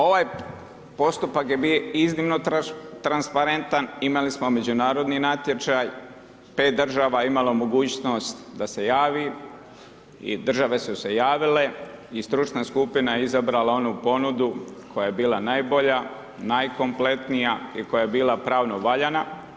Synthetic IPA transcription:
o̞ʋaj | po̞st̪upakje̞bioiznimnot̪ɾanspaɾent̪animalismo̞me̞d͡ʑunaːɾo̞d̪ninat̪jet͡ʃaj | pe̞ːt̪̚d̪r̩ʒaːʋaimalomo̞ɡuːt͡ɕno̞st̪d̪ase̞jaːʋi | ḭd̪r̩ʒaʋe̞suse̞jaːʋile̞ist̪ɾut͡ʃnaskupinajeizabɾalao̞nupo̞nud̪ukʰo̞jaje̞biːlˠanajbo̞ʎa | najko̞mple̞t̪nijaiko̞jajebiːlapɾaːʋno̞ʋaʎana

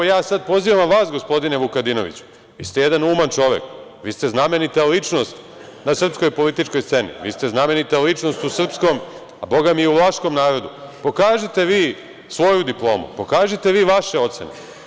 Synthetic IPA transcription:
jaːsad̪̚po̞ziʋamʋaːsɡo̞spo̞d̪ine̞ʋukad̪ino̞̰ʋḭt͡ɕu̥ | ist̪ejed̪anuːmant͡ʃo̞ʋḛk | ʋiːst̪e̞zname̞nit̪alit͡ʃno̞st̪ | nasr̩psko̞jpo̞lit̪it͡ʃko̞jst̪se̞nḭʋḭːst̪e̞zname̞nit̪alit͡ʃnost̪usr̩psko̞m | abo̞ɡamieuʋaʃko̞mnaːɾo̞d̪upo̞kaːʒit̪e̞ʋiː | sʋo̞jud̪iplˠo̞ːmṵpo̞kaːʒit̪e̞ʋiːʋaʃe̞o̞t̪se̞̰nḛ

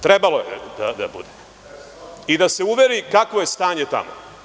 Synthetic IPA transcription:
t̪ɾebalo̞jḛd̪a̰d̪a̰bṵd̪e | id̪ase̞uʋe̞ɾikakʋo̞jest̪aːɲe̞t̪a̰mo̰

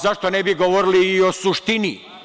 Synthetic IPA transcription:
zaʃt̪o̞nebiɡoʋoɾiliːo̞suʃt̪ini

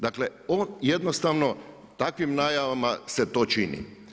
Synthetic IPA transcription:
d̪akle̞oːnjed̪nost̪aʋno̞ | t̪akʋimnaːjaʋamase̞t̪o̞ːt͡ʃinḭ

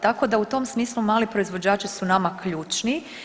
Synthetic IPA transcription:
t̪ako̞d̪aut̪o̞msmiːslˠumaːlipɾoizʋo̞d͡ʒaːt͡ʃisunamakʎuːt͡ʃni

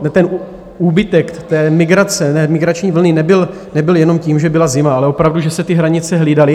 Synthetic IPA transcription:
t̪ɛn | uːbɪt̪ɛkt̪ɛːmɪɡɾat͡sɛɛːmɪɡɾat͡ʃɲiːvl̩nɪnɛbɪl | nɛbɪljɛno̞mciːmʒɛbɪlazɪmaalɛʔo̞pɾavduʒɛsɛt̪ɪɦɾaɲɪt͡sɛɦliːdalɪ

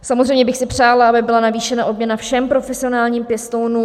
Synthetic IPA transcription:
samozrejmɲɛbɪxsɪpr̝̥aːlaabɪbɪlanaviːʃɛnaʔo̞bmɲɛnafʃɛmpɾo̞fɛsɪo̞naːlɲiːmpjɛst̪ownu

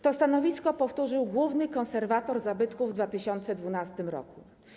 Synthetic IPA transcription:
t̪ɔst̪anɔvʲiskɔpɔft̪uʐɘwɡwuvnɘkɔ̃nsɛɾvat̪ɔɾzabɘt̪kuvːd̪vat̪ɘɕɔnt̪sɛd̪vunast̪ɘmɾɔ̰ku

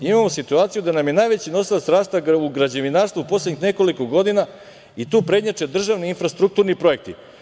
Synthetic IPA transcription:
imamo̞sit̪uaːt̪sijud̪anamje̞naːjʋet͡ɕino̞silasɾaːst̪auɡɾad͡ʑeʋinaːɾst̪vupo̞slʲed̪ɲixne̞ko̞likoɡo̞d̪ina | it̪uːpɾe̞dɲat͡ʂe̞d̪r̩ʒaʋniiːnfɾast̪ɾuk̚t̪uːɾnipɾo̞je̞k̚t̪ḭ

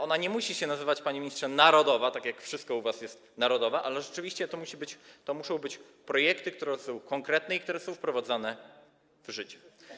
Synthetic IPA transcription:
ɔnaɲɛmuɕiɕɛnazɘvat͡ɕpaɲimʲɲist̪ʂɛnaɾɔd̪ɔvat̪akʲjakfʂɘst̪kɔuvasjɛst̪ | naɾɔd̪ɔvɛʔalɛʐɛt͡ʂɘvʲiɕt͡ɕɛt̪ɔmuɕibɘt͡ɕt̪ɔmuʂɔ̃w̃bɘt͡ɕ | pɾɔjɛkt̪ɘkt̪uɾɛsɔ̃w̃kɔŋkɾɛt̪nɛikt̪uɾɛsɔ̃w̃fpɾɔvad̪zanɛ | v̥ʐɘt͡ɕɛ̥

